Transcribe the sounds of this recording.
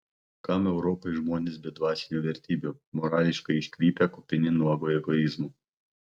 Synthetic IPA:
kɑmɛʊɾɔpɔɪʒmoːnʲesbʲɛd̪ʋɑːsʲɪj̪ʲuːʋʲɛɾʲt̪ʲiːbʲumɔɾɑːlʲɪʃkɐɪɪʃʲkʲɾʲiːpʲɛkɔpʲɪnʲɪnuɔɡoːɛɡɔɪzmuː

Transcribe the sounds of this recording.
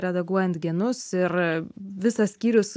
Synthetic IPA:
ɾʲɛd̪ɐɡuɔjɛnt̪ɡʲiɛnʊsɪɾʋʲɪsɐssʲkʲiːɾʲʊs

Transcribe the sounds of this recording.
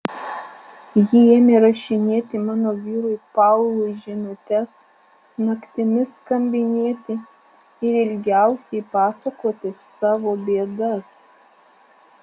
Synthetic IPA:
jɪeːmʲeɾɐʃʲɪnʲeːt̪ʲɪmɑːnoːʋʲiːɾʊɪpɑʊlˠʊɪʒʲɪnʊt̪ʲɛs | nɐkt̪ʲɪmʲɪskɐmʲbʲɪnʲeːt̪ʲɪ | ɪɾɪlʲɡʲæˑʊsʲɛɪpɑːsɐkoːt̪ʲɪs | ɑːʋoːbʲeːd̪ɐs

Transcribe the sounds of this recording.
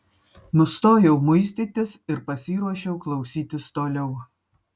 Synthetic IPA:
nʊst̪oːjɛʊmʊɪsʲt̪ʲiːt̪ʲɪsɪɾpɐsʲiːɾuɔʃʲɛʊklˠɐʊsʲiːt̪ʲɪst̪oːlʲɛʊ

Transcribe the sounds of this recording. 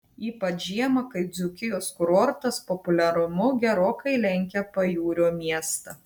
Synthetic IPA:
iːpɐtʒʲiɛmɐkɐɪd̪zʲʊkʲɪjoːskɾoːɾt̪ɐspɔpʊlʲɛɾʊmʊɡʲɛɾoːkɐɪlʲɛŋʲkʲɛpɐjuːɾʲoːmʲiɛst̪ɐ

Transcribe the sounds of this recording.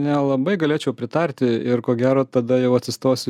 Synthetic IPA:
nʲɛlˠɐbɐɪɡɐlʲeːt͡ʃʲɛʊpʲɾʲɪt̪ɐɾʲt̪ʲɪɪrkoːɡʲæːɾoːt̪ɐd̪ɐjɛʊɐt̪ʲsʲɪst̪oːsʲɪ

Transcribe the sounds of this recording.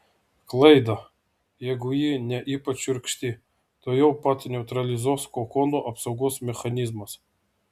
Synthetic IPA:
klˠɛjd̪ɐ | jɛɡʊjinʲɛʔipɐt͡ʃɪɾʲkʃʲt̪ʲi | t̪ojɔwpɑt̪ʲnʲɛʊt̪ɾɐlʲɪzɔskɔkɔnoʔɐpsɔwɡɔsmʲɛxɐnʲizmɐs

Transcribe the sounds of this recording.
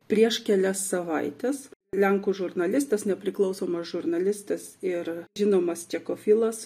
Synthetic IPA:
pʲɾʲiɛʃkʲɛlʲɛsːɐʋɐɪt̪ʲɛslʲɛŋkuːʒʊrnɐlʲɪst̪ɐsnʲɛpʲɾʲɪklˠɒʊsoːmɐsʒʊrnɐlʲɪst̪ɐsɪɾʒʲɪnoːmɐst͡ʃʲɛkoːfʲɪlˠɐs

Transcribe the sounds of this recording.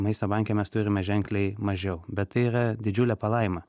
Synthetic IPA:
mɐɪst̪oːbɐŋʲkʲɛmʲɛst̪ʊɾʲɪmʲɛʒʲɛŋʲklʲɛɪmɐʒʲɛʊbʲɛt̪̚tɐɪiɾɐd̪ʲɪd͡ʒʲʊlʲɛpɐlˠɐɪmɐ

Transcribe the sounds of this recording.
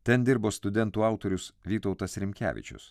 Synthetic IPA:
t̪ʲɛnd̪ʲɪɾboːst̪ʊd̪ʲɛnt̪uːɑˑʊt̪oːɾʲʊsʋʲiːt̪ɐʊt̪ɐsɾʲɪmʲkʲæ̰ːʋʲɪ̰t͡ʃʲʊ̰s

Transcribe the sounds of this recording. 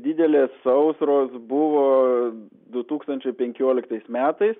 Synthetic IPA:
d̪ʲɪd̪ʲɛlʲeːsːɐʊsɾoːsbʊʋoː | d̪ʊt̪uːkst̪ɐnʲt͡ʃʲɛɪpʲɛŋʲkʲuɔlʲɪkt̪ɐɪsmʲæːt̪ɐɪs

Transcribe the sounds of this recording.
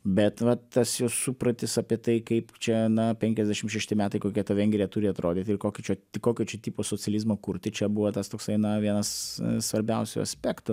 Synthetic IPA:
bʲɛt̪ʋɐt̪ɐsjɛʊsupɾɐt̪ʲɪsɑpʲiɛt̪ɐɪkɐɪpt͡ʃʲɛnɐpʲɛŋʲkʲɛzʲd̪ʲæʃʲɪmʃʲɛʃʲt̪ʲɪmʲæːt̪ɐɪkoːkʲiɛt̪ɐʋʲɛŋʲɡʲɾʲijɛt̪ʊɾʲɪɐt̪ɾoːd̪ʲɪt̪ʲɪɾkoːkʲɪt͡ʃʲoːɪkoːkʲoːt͡ʃʲɛt̪ʲiːpoːsoːt͡sʲɪɛlʲizmoːkʊɾʲt̪ʲɪt͡ʃʲɛbuʋot̪ɐst̪oːksɐɪnɐʋʲiɛnɐssʋɐɾʲbʲɛʊsʲʊ̰ɐ̰sʲpʲæːkt̪ʊ

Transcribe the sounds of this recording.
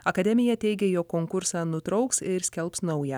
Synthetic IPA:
ɐkɐd̪ʲɛmʲɪjɛt̪ʲɛɪɡʲɛjoːkːoːŋkʊɾsɑːnʊt̪ɾɒʊksɪɾsʲkʲɛlʲˠpsnɒʊjɛ

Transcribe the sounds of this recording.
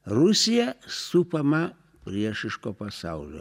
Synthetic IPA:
rʊsʲɪjɛsupɐmɐ | pʲɾʲiɛʃɪʃkoːpɐsɑˑʊlʲo̰ː

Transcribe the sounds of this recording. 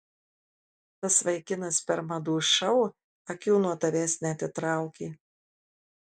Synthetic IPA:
t̪ɐsʋɐɪkʲɪnɐspʲɛɾmɐd̪uːʃɐʊ | ɐkʲuːnuɔt̪ɐʋʲɛːsʲnʲɛt̪ʲɪt̪ɾɑˑʊkʲiː

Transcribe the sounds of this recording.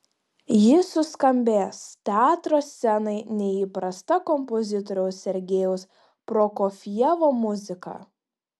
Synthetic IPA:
jɪsʊskɐmʲbʲeːst̪ʲɛɑːt̪ɾoːsʲsʲɛnɐɪnʲɛiːpɾɐst̪ɐkɔmpɔzʲɪt̪ɔɾʲɛʊsʲɛɾʲɡʲeːjɛʊs | pɾoːkɔfʲjɛʋoːmʊzʲɪkɑ̰

